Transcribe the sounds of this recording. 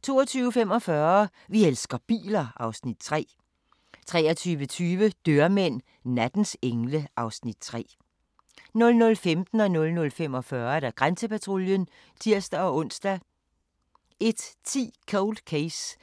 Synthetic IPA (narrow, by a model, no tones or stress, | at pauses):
t͡sʰo̝̰ːɒt͡sʰyːʊəfemɒ̽fɶɐ | ʋielsɡ̥ɐb̥ḭːlɐɑ̈ʊsnid̥̚t͡sʰʁɛ̰ː | t͡sʰʁɛːɐt͡sʰyːʋət͡sʰyːʋəd̥øɐmen̰ | næd̥n̩seŋləʔɑ̈ʊsnid̥̚t͡sʰʁɛ̰ː | nɔ̽lnɔ̽lfemd̥n̩ɒ̽nɔ̽lnɔ̽lfem̰ɒ̽fɶɐeɾæɡ̥ʁansəpæt͡sʰʁo̝ljən | t͡sʰiɐ̰sd̥æɒ̽ɔ̽n̰sd̥æ | e̝d̥t͡sʰḭːkʰɔʊld̥kʰeɪs